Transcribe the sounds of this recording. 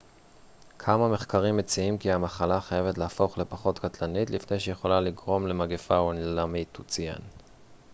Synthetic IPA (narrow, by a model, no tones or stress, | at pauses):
kʰamame̞χkaʁimːet͡siimkiamaχalaχajeve̞tleafo̞χle̞paχo̞tkatlanitlifne̞jʃeje̞χo̞laliɡʁo̞mle̞maɡefaonlamitut͡sia̰n